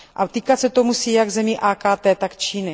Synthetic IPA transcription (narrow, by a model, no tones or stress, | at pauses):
ʔat̪iːkat̪sɛt̪omusiːjaɡzɛmiʔaːkaːt̪ɛːt̪akt͡ʃiːnɪ